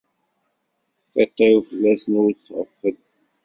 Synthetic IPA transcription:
θæt̪ˤːɑjufəlːæsənuɾθʁə̰fːəd̪

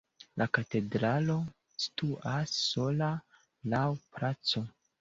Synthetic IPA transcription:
lʔakate̞dɾalo̞ | si̥tuʔasːo̞la | lawpɾat͡so̞

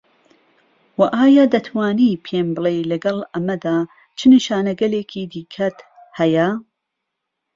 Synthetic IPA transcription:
wɐʔaːjaːd̪ɐt̪ʰwaːniːpʰeːmbɨlejlɐɡɐlɐmɐd̪aː | t͡ʃʰɨniʃaːnɐɡɐleːkʰiːd̪iːkʰɐt̪ | hɐjɐ

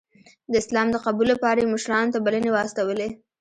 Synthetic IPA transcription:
d̪əɪslɑmd̪əqabulːapɑɾajemʊʃɾɑnt̪abalənewəast̪awəle

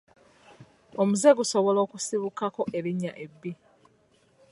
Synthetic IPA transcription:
omuze̞ɡuso̞βo̞lo̞ːkusiβukako̞ʔe̞ɾiɲːaʔe̞bːi

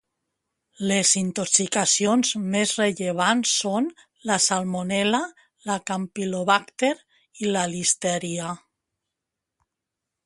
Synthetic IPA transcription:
lezint̪oksikasijonzmezreʎeβ̞ansːon | lasalmonɛla | lakampiloβakt̪eɾ | ilalist̪ɛɾia

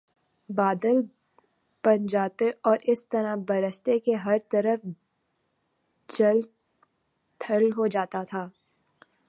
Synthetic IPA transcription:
baːd̪əl | pɐ̃nd͡ʒaːt̪eʔɔːɾʔɪst̪ɐɾabɐɾəst̪ekeɦɐɾt̪ɐɾəf | d͡ʒɐl | t̪ʰəlɦod͡ʒaːt̪at̪ʰaː

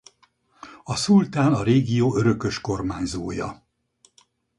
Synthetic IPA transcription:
ɒsult̪aːnɒɾeːɡijoːøɾø̞kø̞ʃko̞rmaːɲzoːjɒ̰

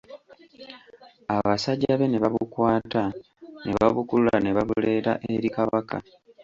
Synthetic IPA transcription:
aβasaɟːaβe̞ne̞βaβukwaːta | ne̞βaβukululane̞βaβule̞ːta̰ʔeɾikaβaka̰

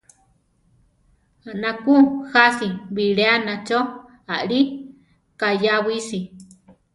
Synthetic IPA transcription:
aʔnãkuhasiβiɺeanãt͡ʃo | aʔɺi | kajaβisi

